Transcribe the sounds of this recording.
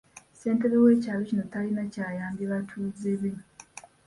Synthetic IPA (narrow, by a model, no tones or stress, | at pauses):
se̞ːnte̞ɾewe̞ːcaːlocino̞talinacaːjaːmbjeβatʰuːzeβe